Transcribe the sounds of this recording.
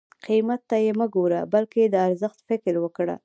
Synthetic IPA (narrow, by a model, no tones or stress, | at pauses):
qimat̪ːajeməɡoɾa̰balkeed̪əaɾzəxt̪fɪkɾwəkɽa̰